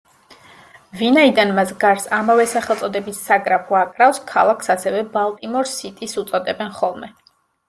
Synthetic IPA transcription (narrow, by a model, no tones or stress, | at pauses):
vinaid̪anmasɡaɾsamavɛsaχɛlˠt̪sʼɔd̪ɛbisːaɡɾapʰuakʼɾafskʰa̰lˠakʰsasɛvɛbalˠt̪ʼimɔɾsit̪ʼisut̪sʼɔd̪ɛbɛnχɔlˠmɛ